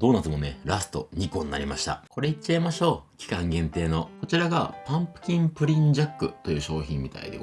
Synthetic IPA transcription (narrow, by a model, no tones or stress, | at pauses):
d̪o̞ːnat͡sɨmo̞neɾasɨ̥t̪o̞̰ɲ̟ikõ̞niːa̰ɾʲimaɕi̥t̪a̰ko̞ɾe̞it͡ɕːaimaɕo̞ːkʲi̥kãŋɡẽ̞nt̪e̞ːno̞ko̞t͡ɕiɾaɡa̰pãmpɯ̟̥kʲĩmpɯ̟ɾʲĩɲd͡ʑakːɯ̟t̪o̞jɯ̟ːɕo̞ːçĩmːʲit̪a̰ḭd̪e̞̰